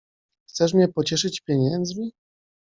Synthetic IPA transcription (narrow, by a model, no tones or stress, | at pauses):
xt̪sɛʂ̬mʲɲɛpɔt͡ɕɛʂɘt͡ɕpʲjeɲɛnd̪zmʲi